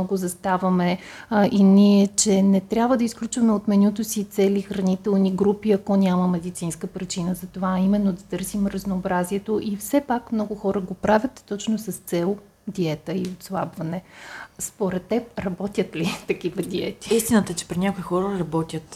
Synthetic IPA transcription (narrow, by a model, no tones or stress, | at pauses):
ɔɡozɐst̪avɐmɛ | ʔiniɛt͡ʃɛnɛt̪ɾʲabvəd̪ɐisklʲut͡ʃvɐmɛot̪mɛnʲut̪osit̪sɛlixɾɐnit̪ɛlˠniɡɾupiɐkɔnʲaməmɛd̪it̪sinskəpɾit͡ʃinəzɐt̪ovaːimɛnːod̪ɐt̪ɤɾsimɾəznoːbɾaziɛt̪oʔifsɛpakmnɔɡʊxɔɾəɡopɾavʲət̪ːɔt͡ʃnosɐst̪sɛlˠ | d̪iɛt̪əiot̪slˠabvɐnɛspoɾɛt̪ːɛp̚ɾɐbɔt̪ʲət̪lit̪ɐkivɐd̪iɛt̪i̥ist̪inət̪ɛt͡ʃɛ̥pɾinʲakoixɔɾəɾɐbɔt̪ʲət̪